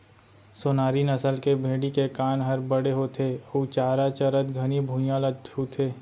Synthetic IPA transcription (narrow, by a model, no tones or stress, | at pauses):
soːnaːɾinɐsəlkebʱeːɽikekaːnɦɐɾbəɽeɦot̪ʰeːut͡ʃaːɾat͡ʃɐɾət̪ɡʱɐnibʱũjãlət̪ɦut̪ʰeː